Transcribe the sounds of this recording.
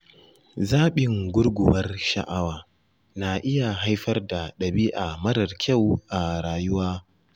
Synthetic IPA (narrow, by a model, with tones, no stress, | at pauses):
zaː˦ɓɪ˨ŋɡʷʊ˦ɽɡʷʊ̰˨wɐ˦rʃɐ̰˨ʔa˦waː˨ | na˨ʔɪ˦ja˨ɦa˦jɸɐ˦rda˨ɗɐ˨biː˦ʔa˨mɐ˦dɐ˨rkʲʰa˦˨wʔa˨ɽaː˨jʊ˦waː˦